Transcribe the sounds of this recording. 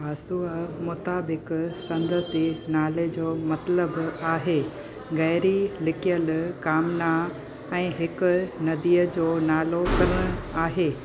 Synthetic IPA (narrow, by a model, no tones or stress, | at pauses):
aːsumʊt̪aːbɪksɐ̃nd̪əsinaːled͡ʑoːmɐt̪ləbaːɦeː | ɣɐːɾilɪkijəlkaːmna | ɛ̃ːɦɪkʊ̆nɐd̪iːəd͡ʑoːnaːlokɐɾɽ̃ʊ̃aːɦeː